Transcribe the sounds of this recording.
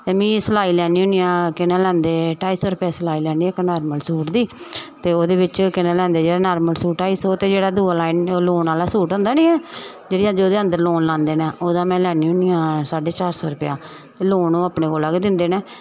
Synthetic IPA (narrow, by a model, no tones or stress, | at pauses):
t̪eːmĩːslaːiːlɛːniːʊːnijãːkɪnãːlɛ̃ːnd̪eːʈaːiːsɔːɾʊpjaːslaːiːlɛːniːknaːɾməlsuːʈd̪iːt̪eːoːd̪eːʋɪt͡ʃkɪnãːlɛ̃ːnd̪eːd͡ʒeːɽaːnaːɾməlsuːʈʈaːiːsoːt̪eːd͡ʒeːɽaːd̪uːaːlaːinloːnaːlaːsuːʈɦʊ̃nd̪aːnĩːɛː | d͡ʒeːɽiːãːd͡ʒeoːd̪eːə̃nd̪əɾloːnlãːnd̪eːnãːʔoːd̪ãːmɛ̃ːlɛːniːʊnijãːsaːɖeːt͡ʃaːɾsɔːɾʊpjãː | t̪eːloːnõːaːpneːkoːlaːkːd̪ɪnd̪eːneː